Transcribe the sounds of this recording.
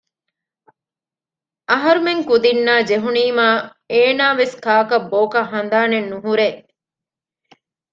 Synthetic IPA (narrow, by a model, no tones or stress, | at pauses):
ɐɦɐɾumeŋkud̪inːaːd͡ʒeɦuniːmaː | eːnaːʋeskaːkɐbːoːkɐɦɐnd̪aːnenːuɦuɾe